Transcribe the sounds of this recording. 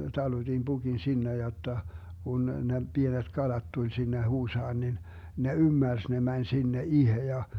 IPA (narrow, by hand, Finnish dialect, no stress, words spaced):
tɑlud̥in b̥uɡ̊in sinːe jotːɑ kun ne b̥ienet kɑlɑt tulʲ sinːe huːsɑːn nin ne ymːærs ne mænʲ sinːe ihe jɑ